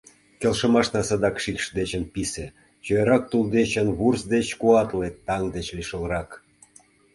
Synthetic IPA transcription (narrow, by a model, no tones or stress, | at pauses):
kʲelʃə̆mɑʃnɑsɑd̪ɑkʃikʃd̪et͡ɕənpise | t͡ɕøeɾɑk̚t̪uld̪et͡ɕənβursd̪et͡ɕkuɑt̪let̪ːɑŋd̪et͡ɕliʃə̆lrɑk